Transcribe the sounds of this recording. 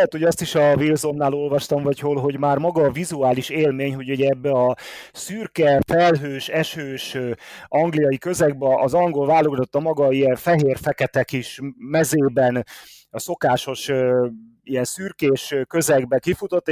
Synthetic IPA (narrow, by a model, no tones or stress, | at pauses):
ɛɛt̪ho̞ɟɒst̪iʃɒvilzo̞mːaːlo̞lvɒʃt̪ɒmvɒcholɦo̞ɟmaːrmɒɡɒːvizuaːliʃeːlmeːɲɦo̞ɟuɟɛbːɛɒsyrkɛfɛlɦøːʃɛʃøːʃʔɒŋɡlijɒjikø̞zɛɡ̚bɛʔɒzɒŋɡo̞lvaːlːoɡzot̪ːɒmɒɡɒijɛɱfɛɦeːrfɛkɛt̪ɛkiʃmɛzeːbɛn | ɒso̞kaːʃo̞ʃø | ijɛnsyrkeːʃkøzɛɡbɛkifut̪o̞t̪ː